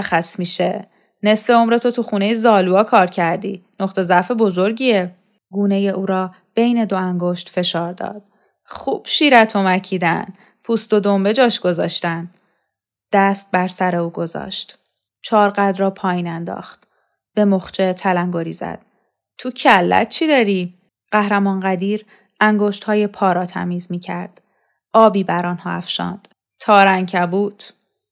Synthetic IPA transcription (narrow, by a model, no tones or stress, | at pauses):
xæsmiːʃe | ne̞sfe̞o̞mɾet̪ʰo̞t̪ʰuxuːne̞jezɒːluɒːkʰɒːɾcʰæɾd̪iːno̞χt̪ʰe̞zæfe̞bo̞zo̞ɾɟiːe | ɡuːne̞je̞ʔuːɾɒː | b̥e̞jne̞d̪o̞æŋɡo̞ʃt̪fe̞ʃɒːɾd̪ɒ̰ːd̪̥ | χuːb̥ʃiːɾæt̪ʰomæcʰiːd̪æn | pʰust̪o̞d̪o̞mbe̞d͡ʒɒːʃɡ̥o̞zɒːʃt̪æn | d̪̥æst̪̚bæɾsæɾe̞uːɡo̞zɒ̰ːʃt̪ | t͡ʃʰɒːɾɢæd̪ɾɒːpʰɒːjiːnænd̪ɒ̰ːχt̪ | b̥e̞moχt͡ʃʰe̞t̪ʰælæŋɡoɾiːzæ̰d̪̥̚ | t̪ʰucʰælːæ̰t̪̚ʰt͡ʃʰiːd̪ɒːɾiː | ɢ̥æhɾæmɒːnɢæd̪iːɾ | æŋɡoːʃt̪hɒːje̞pʰɒːɾɒːt̪ʰæ̰miːzmiːcʰæɾd̪̥ | ɒːbiːbæɾɒːnhɒ̰ːæ̰fʃɒ̰ːnd̪̥ | t̪ʰɒːɾæŋcʰæbuːt̪ʰ